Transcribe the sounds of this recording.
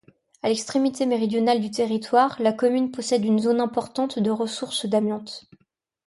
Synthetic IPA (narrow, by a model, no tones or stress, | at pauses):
alɛkst̪χemit̪emeʁid̪jɔnald̪yt̪eʁit̪waʁlakɔmynpɔsɛd̪ynzonɛ̃pɔʁt̪ɑ̃t̪d̪əʁəsuʁsd̪amjɑ̃t̪